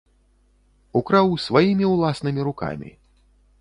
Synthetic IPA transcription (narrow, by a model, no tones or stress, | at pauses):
ukɾawsvajimʲiwlˠasnɨmʲiɾuka̰mʲḭ